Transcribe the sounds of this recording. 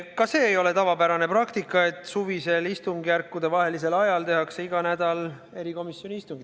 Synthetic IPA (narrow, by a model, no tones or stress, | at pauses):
kɑse̞ːejo̞le̞t̪ɑvɑbæɾɑne̞prɑkt̪ikːˑɑe̞t̪ːˑsuvise̞list̪uŋɡ̥jærkːud̪e̞vɑɦe̞lise̞lɑjɑlt̪e̞ɦɑkseiɡ̥ɑnæd̪̥ɑl | e̞ɾiko̞misjo̞niist̪uŋɡid̪